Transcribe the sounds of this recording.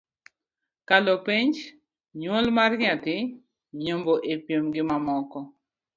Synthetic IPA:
kalopiɲd͡ʒ | ɲwolmarɲatɪ | ɲomboʔepjomɡɪmamɔkɔ

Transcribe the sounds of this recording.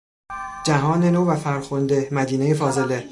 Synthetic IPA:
d͡ʒæɦɒːnenoːvæfæɾxond̪e̞mæd̪iːnejefɒːze̞le

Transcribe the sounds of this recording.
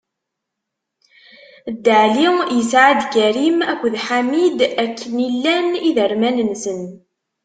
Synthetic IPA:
d̪ːəʕlijəsʕad̪ɡæɾimækʷːðħamid̪ækʰːənilːæniðəɾmænənsən

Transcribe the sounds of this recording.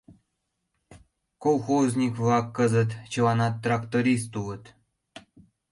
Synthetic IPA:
kolˠxozʲnʲikvlˠɑkːɤ̆zə̆t̪t͡ɕɤ̆lˠɑnɑt̪ːrɑkt̪oɾʲis̬t̪ulə̆t̪

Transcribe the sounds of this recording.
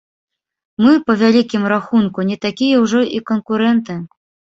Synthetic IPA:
mɨpɐvʲalʲikʲimraxunkunʲɛt̪akʲijɛwʐɔʔikɔnkuɾɛnt̪ɨ

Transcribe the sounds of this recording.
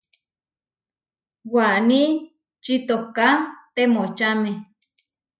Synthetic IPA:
wani | t͡ʃit̪okat̪emot͡ʃame

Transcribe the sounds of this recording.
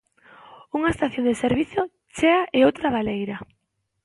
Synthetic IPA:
uŋaest̪aθjond̪eseɾβiθo | t͡ʃeaʔeowt̪ɾaβalejɾa

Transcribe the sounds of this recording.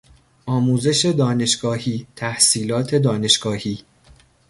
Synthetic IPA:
ʔɒːmuːze̞ʃe̞d̪ɒːne̞ʃɡ̥ɒːhiːt̪ʰæhsiːlɒːt̪ʰe̞d̪ɒːne̞ʃɡ̥ɒːhiː

